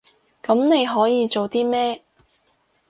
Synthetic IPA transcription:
kɐ˨˥mne˨˧jɦɔː˨˥jiː˨˧t͡so˨wt̪iː˥mɛː˥

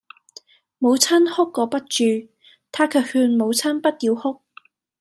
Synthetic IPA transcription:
mo˨˧wt͡sʰɐ˥nhʊ˥kːɔː˨˧pɐ˥t̚t͡ʃyː˨ | t̪ʰaː˥kʰɵː˨˥khyː˧nmo˨˧wt͡sʰɐ˥npɐ˥t̚t̪iː˧whʊ˥k̚

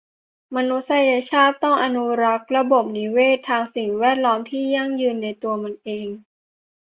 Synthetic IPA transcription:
ma˧nu˦˥sa˧ja˧t͡ɕʰaː˥˩t̪ːɔ˥˩ŋʔa˧nu˦˥ɾa˦˥k̚ɾa˧bo˨˩p̚ni˦˥weː˥˩t̪ʰːaː˧ŋsi˨˩ŋwɛː˥˩t̪̚lɔː˦˥mt̪ʰiː˥˩ja˥˩ŋjɯː˧nːa˧jt̪u˧ɐma˧nʔeː˧ŋ

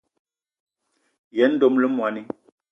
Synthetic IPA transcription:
jɛ˨˦n̩˦do˦mlə˦mwa˨ni˦

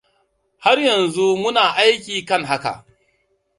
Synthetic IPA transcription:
ha˦rjɐ˨nzu˦mʊ˦naː˨ʔa˦jk̬ʲiː˨kɐ˦˨ŋɦa˦ka̰˨ʔ

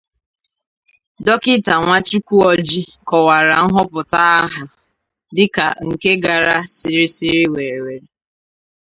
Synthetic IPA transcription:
dɔ˦kɪ˦ta˨ŋʷa˦t͡ʃu˦kʷu˦ɔ˨d͡ʒi˦kɔ˨wa˨ɾa˨ŋ̩˦ɦɔ˦pʊ˨ta˦ɦa˨ | dɪ˦ka̰˨ŋ̩˨ke˦ɡa˨ɾa˦si˨ɾi˦si˦ɾi˦we˨ɾe˨we˨ɾe˨

